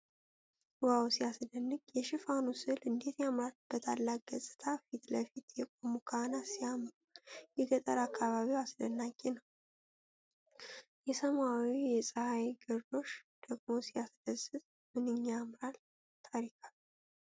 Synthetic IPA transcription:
wawsiasd̪ənːɨɡjɛʃɪfanusɨlɨnd̪e̞t̪jamɾalb̥ət̪ʰalːak̚ʼɡəsʼɨ̥t̪ʰafit̪ləfit̪jɛkʼomukʰanasijamɾujɛɡət̪ʼəɾakʰːaβaβiwasd̪ənːaɡʼenəw | jɛsəmawijɛsʼəhajɡɨɾd̪o̞ʃd̪̥əɡmo̞sijasd̪̥əzːɨz | mɨnɨɲːamɾal | t̪ʰaɾikʰal

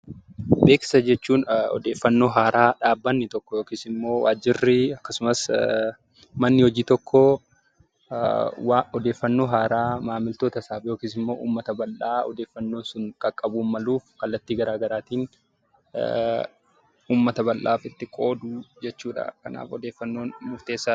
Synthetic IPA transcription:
be̞ːkɪ̥sɐd͡ʒɛt͡ʃːuːnɔ̰d̪e̞ːfːɐnːo̞ːɦaːɾʔaːᶑaːbːɐnːɪt̪ɔkːɔjoːkiːsɪmːo̞ːwaːd͡ʒɪrːɪɐkːɐsʊmɐs | mɐnːɪhɔd͡ʒiːt̪ɔkʰːɔ | wɔd̪eːfːɐnːo̞ːɦaːɾaːmaːmɪlt̪o̞ːt̪ɐsaːfjoːkiːsɪmːo̞ːʔṵːmːɐt̪ɐbɐlʔaːɔ̰d̪e̞ːfːɐnːo̞ːnsʊŋkʼɐkʼːɐbuːnmɐluːfkɐlːɐt̪ːiːɡɐɾaːɡɐɾaːt̪iːn | uːmːɐt̪ɐbɐlʔa̰ːfɪt̪ːɪkʼo̞ːd̪uːd͡ʒɛt͡ʃːuːᶑɐ̰kɐ̰na̰ːfɔd̪eːfːɐnːo̞ːnmʊft̪e̞ːsːa

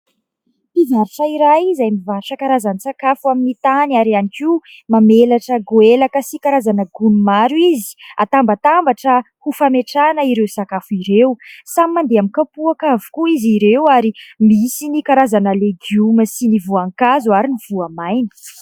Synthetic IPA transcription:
pizaɾiʈ͡ʂaiɾajzajmivaʃəkaɾazansakafuaminit̪anaɾianikimamelaʈ͡ʂəɡuelakəsikaɾazanəɡunumaɾuizi̥at̪ambət̪ambaʈ͡ʂə | hufameʈ͡ʂanəiɾewsakafuiɾewsamimand̪eaminkapuakavu̥kuiziɾewaɾimisinikaɾazanəleɡjuməsinivuaŋkazuaɾiniv̥uamajni̥

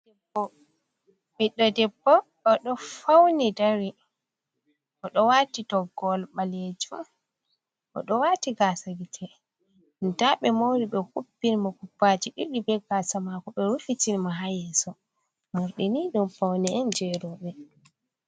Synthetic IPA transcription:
ɛbɔ | miɗːɔdɛbːɔ | ɔɗɔfawnidaɾi | ʔɔɗɔwatidɔɡɔlɓaled͡ʒu | ʔɔ̰ɗɔwaːtiɡasaɡitʰɛ | ndaɓɛmoɾiɓɛhubːinmakupːad͡ʒiɗiɗibɛɡasamakɔɓɛɾufitinimaɦajɛsɔ | muɾɗiniɗumfawniɛnd͡ʒɛɾɔɓɛ

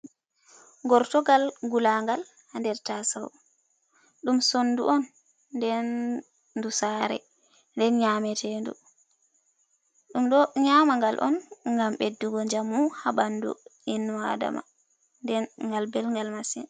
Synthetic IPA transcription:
ɡɔɾtɔɡalɡulaŋɡal | handɛɾtasaw | ɗumsonːduʔɔnː | dɛnː | dusaːɾɛ̰ | ndɛnɲaːmɛtʰɛndṵ | ɗumɗɔɲamaŋɡalʔɔ̰nŋɡamɓedːuɡɔɲd͡ʒamːuhaɓandṵinːa̰da̰ma̰ | ndɛnŋɡalbɛlŋɡalmasɛn

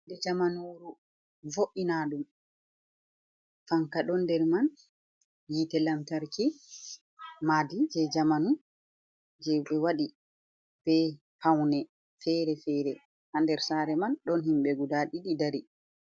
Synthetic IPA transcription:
dɛd͡ʒamanoɾu | voʔinaːɗum | faŋkaɗɔndɛɾman | jitɛlamtaɾki | madid͡ʒɛd͡ʒamanu | d͡ʒɛɓɛwaɗi | b̥ɛ | hawnɛ | fɛɾɛfɛɾɛ | handɛɾsaɾɛmanɗɔnhimɓɛɡudaɗiɗidaɾi

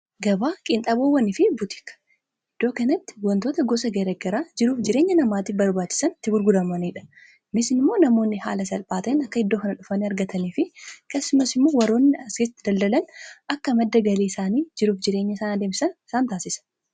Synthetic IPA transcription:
ɡɐbaːkʼɪnt̪ʼɐboːwɐnɪfɪbʊt̪ɪ̥kːɐ̥ | ɪd̪̥ːoːkɐnɐt̪ːɪ̥wɐnt̪oːt̪ɐɡɔsɐɡɐɾɐɡɐɾaːd͡ʒɪɾuːfd͡ʒɪɾe̞ːɲːɐnɐmaːt̪ɪfbɐɾbaːt͡ʃːɪ̥sɐnt̪ːɪbʊɾɡʊd̪ɐmɐniːᶑɐ̥ | mɪsɪnɪmːo̞ːnɐmo̞ːnːɪha̰ːlɐsɐlpʼaːt̪ɐɪnɐkːɐhɪd̪ːoːkɐnɐᶑʊfɐniːɐɾɡɐt̪ʰɐniːfɪkeːsːʊmɐsɪmːo̞ːwɐɾo̞ːnːɪɐsket̪ːɪd̪ɐld̪ɐlɐnʔɐkːɐmɐd̪ːɐɡɐliːɪsaːniːd͡ʒɪɾuːfd͡ʒɪɾe̞ːɲːɐɪsaːnɐd̪eːmɪsɐnɪsaːnt̪aːsɪsɐ̥

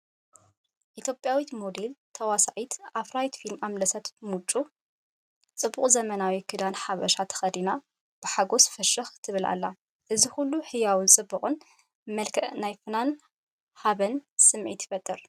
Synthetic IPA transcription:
ʔit̪ʰjo̞pʼjawit̪mod̪elt̪ʰɐwasaʕit̪ʔafɾajt̪filmamlɐsɐt̪mut͡ʃʼːu | t͡sʼɨbːuqʼzɐmɐnawikʰɨd̪anħaβɐʃat̪ʰɐ̥xɐd̪ina | b̥ɨħaɡo̞sfɐʃɨxt̪ʰɨβɨlʔa̰lːa | ʔɨzixulːuħɨjawɨnt͡sʼɨbːuχʼɨn | mɐlkʰɐʔnajfɨnan | ħaβɐnsɨmʕḭt̪ʰfɐt̪ʼːɨɾ

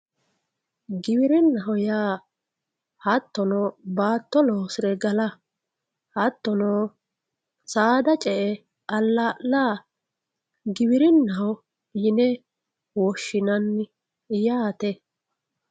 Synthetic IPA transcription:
ɡɪbɪɾɪnːɐɦɔjaː | hɐt̪ːɔnɔbaːt̪ːɔloːsɪɾɛɡɐlɐ | hɐt̪ːɔnoː | saːd̪ɐt͡ʃʼɛʔɛ | ɐlːaːlaː | ɡɪbɪɾɪnːɐɦɔ | jɪnɛ | wɔʃːɪnɐnːɪ | jaːt̪ɛ

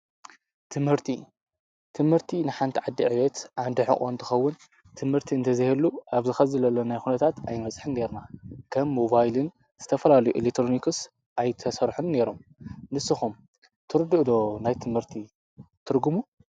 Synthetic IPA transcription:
t̪ʰɨmhɨɾt̪ʰi | t̪ʰɨmhɨɾt̪ʰinɨħant̪ʰiʕad̪ːiʕɨβet̪ʔand̪ɨħɨ̰χʼo̰nt̪ʰɨxɐwːʊn | t̪ʰɨmhɨɾt̪ʰiɨnt̪ʰɐzɨhelːuʔaβzɨxɐzɨlɐlːonajxunɐt̪ʰat̪a̰jmɐt͡sʼħɨnne̞ɾnakʰɐmːo̞βajlɨn | z̥ɨt̪ʰɐfɐlalɐjuʔḭlekt̪ɾonikʰɨs | ʔajt̪ʰɐsɐɾħunːe̞ɾo̞mnɨsːɨxum | t̪ʰɨɾɨd̪ɨʔd̪o̞najt̪ʰɨmhɨɾt̪ʰi | t̪ʰɨɾɡumu

